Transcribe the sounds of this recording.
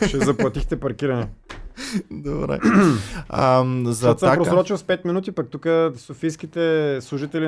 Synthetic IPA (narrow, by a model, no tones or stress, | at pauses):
t͡ʃɛzɐplˠɐt̪ixt̪ɛpɐɾk̟iɾɐnɛ | d̪obɾɛ̰ | mzɐasəmapɾossɾɔt͡ʃilˠspɛt̪minut̪ipɐk̚t̪ukəsofijsk̟it̪ɛslˠuʒit̪ɛli